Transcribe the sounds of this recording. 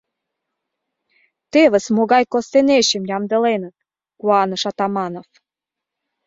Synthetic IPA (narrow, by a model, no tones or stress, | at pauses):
t̪eβəsmoɣɑjkost̪eneɕəmjɑmd̪ə̆lenət̪̚ | kuɑnəʃɑt̪ɑmɑnof